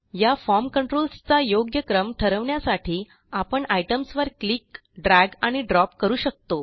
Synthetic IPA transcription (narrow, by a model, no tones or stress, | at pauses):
jafɔɾmkəɳʈɾolst͡sajoɡjəkɾəmʈʰəɾəʋɳjasaʈʰiː | apəɳaiʈəmsʋəɾkliːk | ɖɾæɡaɽ̃iɖɾɔpkəɾuːɕək̚t̪o